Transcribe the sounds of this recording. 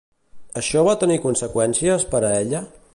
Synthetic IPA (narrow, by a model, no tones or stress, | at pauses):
əʃɔβat̪ənikunsəkwɛnsiəspəɾəeʎə